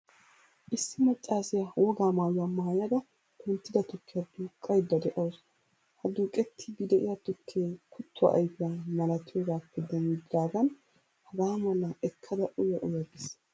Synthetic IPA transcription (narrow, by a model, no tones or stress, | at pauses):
ʔɪsːɪmɐt͡ʃʼːaːsɪjɐwɔɡaːmaːjʊwaːmaːjɐd̪ɐ | t̪ʊnt̪ːɪd̪ɐt̪ʊkʰːɪjɐd̪uːkʼːɐjd̪ːɐd̪ɛʔɐws | hɐd̪uːkʼɛt̪ʰːɪbid̪ɛʔɪ̰jat̪ʊkʰːeːkʰʊt̪ʰːʊwa̰ʔɐ̰jfɪjamɐlɐt̪ːɪjoːɡaːpːɛd̪ɛmɪd̪ːaːɡɐn | hɐɡaːmɐlɐɛkʰːɐd̪ɐʔʊjɐʔʊjɐɡes